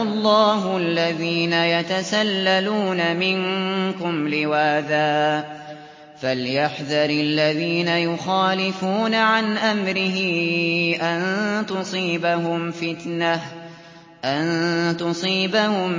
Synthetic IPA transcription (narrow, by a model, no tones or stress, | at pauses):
lˤːɑːɦʊalːaðiːnajat̪asalːaluːnamɪnkʊmlɪwaːðaː | faljaħðɑɾɪlːaðiːnajʊxaːlɪfuːnaʕanʔamɾɪɦɪʔant̪ʊsˤiːbaɦʊmfɪt̪nah | ʔant̪ʊsˤiːbahʊm